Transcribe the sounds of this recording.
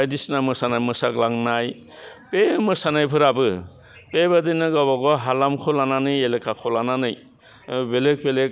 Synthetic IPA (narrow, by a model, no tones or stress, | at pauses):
bajdisnamɯsanajmɯsaɡlaŋnaj | pemɯsanajpʰɯɾabɯ | pebadɯnɯɡabaɡɔɦalamkʰɔlananɯjelekʰakʰɔlananɯj | belek̚belek̚